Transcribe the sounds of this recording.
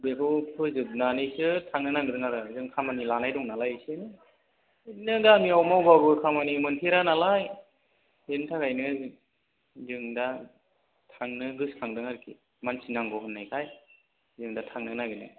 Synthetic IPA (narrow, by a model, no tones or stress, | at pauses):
bekʰɯpʰɯzɯb̚nanisɯtʰaŋnɯnaɡɯdɯŋaɾɯzɯŋkʰamanilanajdɔŋnalajɯsenɯ | nɯdamiawmawbabɯkʰamanimɯntʰeɾanalaj | entʰakajnɯ | zɯŋda | tʰaŋnɯɡɯskʰaŋdɯŋaɾɯkʰi | mansinaŋɡɔɦɯnːajkʰaj | zɯŋdatʰaŋnɯnaɡɯnɯ̰